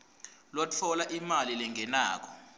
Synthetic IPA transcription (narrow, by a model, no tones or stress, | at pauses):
lwat͡fʰɔlaʔimalilɛŋʱɛna̰ːk̬ʰɔ̥